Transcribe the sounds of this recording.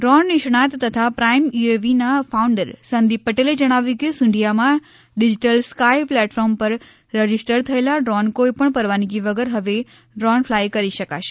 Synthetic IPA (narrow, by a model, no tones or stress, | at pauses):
ɖɾɔnːɪʃɳ̃at̪ːət̪ʰapɾaimueʋinafʰauɳɖəɾsənd̪ip̚pəʈeled͡ʒəɽ̃aʋjũkesʊ̃ɳɖʱijamã | ɖid͡ʒiʈəlskajplɛʈfɔɾmpəɾ | ɾəd͡ʒisʈəɾt̪ʰəelaɖɾɔnkoipəɳpəɾʋanikiʋəɡəɾɦəʋe | ɖɾɔnfʰlajkəɾiʃəka̰ʃe̥